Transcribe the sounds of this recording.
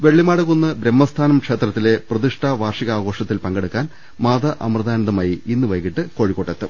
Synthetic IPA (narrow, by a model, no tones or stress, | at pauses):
ʋe̞ɭːimaːɽɐɣonːɨbɾemːɐst̪ʰaːnɐmkʂe̞ːt̪rɐt̪ːile̞prɐðiʂʈʰaːʋaːrʂiɣɐaːɡo̞ːʂɐt̪ːilpɐŋɡeɽukːaːn | maːd̪ɐʔɐ̰mrɐd̪ʱaːnɐðɐmaːjiinːɨʋɐjkːiʈːɨko̞ːɻikːoʈːɐt̪ːɨ